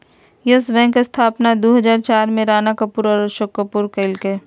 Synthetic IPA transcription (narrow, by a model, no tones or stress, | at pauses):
jəsbɛ̃ːŋkest̪ʰaːpnad̪oːɦəd͡ʒaːɾt͡ʃaːɾmẽɾaːnakɐpuɾɔːɾʃokːəpuːɾkəɪlke